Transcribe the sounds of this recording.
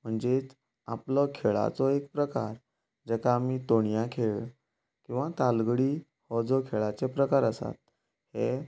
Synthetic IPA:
m̤əɳd͡zet͡s | a̰plɔkʰeɭa̰t͡sɔek̚pɾəka̰ɾ | d͡ʑɛkaːmiːt̪oɳjãkʰeɭ | kĩw̃ʋat̪alɡɽiː | hɔd͡zɔkʰeɭat͡sepɾəkaɾəsa̰t̪̚ | he

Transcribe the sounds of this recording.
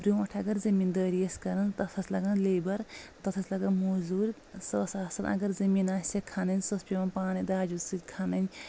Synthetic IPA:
bɾʲumɐʈʰɐɡɐɾzɐmiːnd̪əːɾijɐskɐɾɐnt̪ɐt̪ʰɐslɐɡɐnleːbɐɾt̪ɐt̪ʰɐsʲlɐɡɐnmozuːɾʲ | sɐːsaːsɐnʔɐ̰ɡɐɾzɐmiːnaːsʲɐkʰanɐnʲsɐspʲiʋɐnpaːnid̪aːd͡ʒusɨt̪ʲkʰanɐnʲ

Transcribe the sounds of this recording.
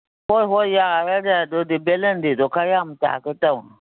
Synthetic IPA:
hoɦojaaɾadadodibelendidokajamta̰kətaun

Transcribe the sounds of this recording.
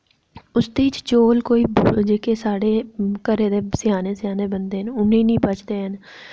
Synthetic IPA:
ʊsd̪eɪt͡ʃt͡ʃoːlkoːiːbd͡ʒeːkesaːɽeːkəɾeːd̪eːsɪjaːneːsɪjaːneːbənd̪eːɦənʊnẽːnĩːpət͡ʃd̪eːɦən

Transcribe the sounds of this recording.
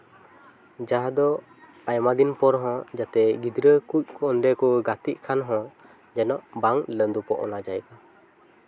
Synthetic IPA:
d͡ʒaɦd̪ɔ | ajmad̪inpɔɾɦɔ̃d͡ʒat̪ɛɡid̪ɾəkuc̚kʰɔɔnd̪ɛkɔɡat̪iʔ̚kʰanɦɔ̃ | d͡ʒɛnɔʔbaŋlənd̪upɔʔɔ̰nad͡ʒajka

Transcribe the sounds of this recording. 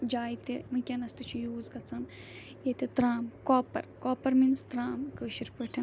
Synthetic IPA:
d͡ʒaːjt̪emɐkʲɐnɐst̪ɨt͡ʃʰujuːzɡɐt͡sʰɐn | jet̪et̪ɾaːmkoːpɐ̰ɾkoːpɐɾminst̪ɾaːmkəːʃiɾpəʈʰɐ

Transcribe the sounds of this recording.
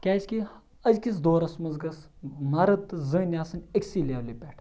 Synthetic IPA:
kʲaːt͡ʃʲkʲi | ɐzʲkis̬d̪oːɾɐsmɐzɡɐs | mɐɾɐt̪ːɨzɨːnʲaːsɨnʲɐkʲsiːlʲeːwlipʲeʈʰ

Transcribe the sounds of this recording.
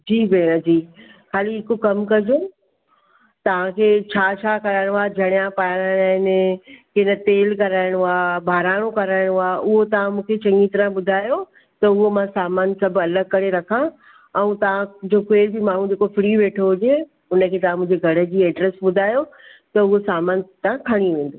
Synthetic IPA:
d͡ʑiːbeːɾəd͡ʑiː | xaːliɦɪkokɐmkɐd͡ʑo | t̪ɐʋ̤ãkʰeːt͡ɕʰaːt͡ɕʰaːkɐɾaːɪɽ̃ʊaːd͡ʑʱɐɽ̃jãpaːɽ̃aɽ̃aɪnkɪnə̆t̪eːlkɐɾaːɪɽ̃uaːbʱaːɾaːɽ̃õkɐɾaːɪɽ̃aːʔʊɦot̪ɐʋ̤ãmũːkʰet͡ɕɐ̃ŋɡĩt̪ɐɾə̃ɓʊd̪ʱaːjo | t̪ɐʊɦomãsaːmaːnsɐbʱɐləɡ̚kɐɾeɾɐkʰã | ɛ̃ũt̪ɐʋ̤ãd͡ʑoːkeːɾbimaːɳ̤ũd͡ʑeːkofɾiːʋeːʈʰoɦʊd͡ʑe | ʊnə̆kʰeːt̪ɐʋ̤ãmʊ̃ːd͡ʑeɡʱɐɽə̆d͡ʑiːɛːɖɾəsɓʊd̪ʱaːjot̪ɐʊɦosaːmaːnt̪aãkʰɐɽ̃iʋẽːn̆d̪o

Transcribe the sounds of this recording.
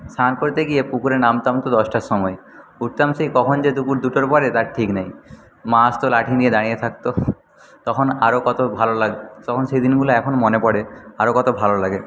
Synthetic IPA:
sankoɾt̪eɡiepukuɾeɾnamt̪amt̪od̪ɔsʈaʃɔmɔe | uʈ̚t̪amsikɔkʰond͡ʑed̪ukuɾd̪uʈoɾpɔɾet̪aɾʈʰiknaj | mãst̪olaʈʰinied̪aɽ̃ijet̪ʰak̚t̪o | t̪ɔkʰona̰ɾokɔt̪obʱalolaɡt̪ɔkʰonʃejd̪inɡuloɛkʰonmonepɔɽeaɾokɔt̪obʱalolaɡe

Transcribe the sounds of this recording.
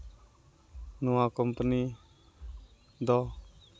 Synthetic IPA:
nuãkɔmpəni | d̪ɔ

